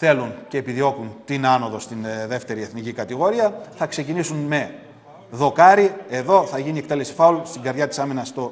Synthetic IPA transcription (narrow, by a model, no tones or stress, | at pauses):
θe̞lunce̞ːpiðio̞kunt̪inɐno̞ðo̞st̪inðe̞ft̪e̞ɾie̞θnicikɐt̪iɣo̞ɾiɐθɐkse̞cinisunme̞ | ðo̞kɐɾie̞ðo̞θɐʝiniekt̪e̞le̞si̥fɐulst̪iŋɡɐɾðʝɐt̪i̥sɐminɐst̪o